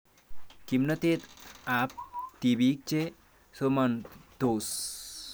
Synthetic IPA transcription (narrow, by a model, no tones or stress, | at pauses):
kimnət̪et̪ap̚t̪ibik̚t͡ʃe | somɐnd̪oːs